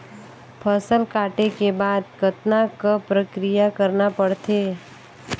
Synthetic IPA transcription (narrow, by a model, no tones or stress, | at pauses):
pʰɐsəlkaːʈekebaːd̪kɐt̪nakapɾɐkɾijakɐɾnapɐɽt̪eː